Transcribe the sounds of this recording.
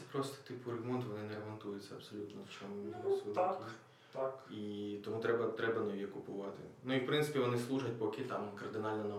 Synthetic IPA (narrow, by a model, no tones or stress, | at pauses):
pɾɔst̪ɪ̥t̪ɪpʊrɐɡmɔnt̪ʋɔnɪnɛɾɐmɔnt̪ujʊt͡sʲːɐɐbsɔlʲut̪nɔwt͡ʃɔmʊsu | it̪ɔmut̪ɾɛbɐt̪ɾɛbɐnɔjikʊpʊʋɑt̪ɪ̰nuiwpɾɪntsɪ̥pʲiʋɔnɪslˠuʒɐɐt̚ʲpɔkɪt̪ɑmkɐrd̪ɪnɑlʲnɐnɐ